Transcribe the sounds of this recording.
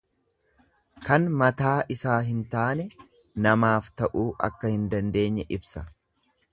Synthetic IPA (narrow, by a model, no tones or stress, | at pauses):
kɐnmɐt̪aːʔɪsaːɦɪnt̪aːnɛ | nɐmaːft̪ɐʔuːʔɐ̰kːɐhɪnd̪ɐnd̪e̞ːɲːɛʔɪbsɐ